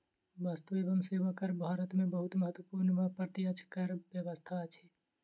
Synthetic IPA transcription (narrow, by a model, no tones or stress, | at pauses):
bast̪uebəmseʋakəɾbʱaɾət̪mebəɦut̪məɦət̪wəpuɾnməpɾət̪iət͡ʃʰkəɾbjəβəst̪ʰat͡ʃʰɛ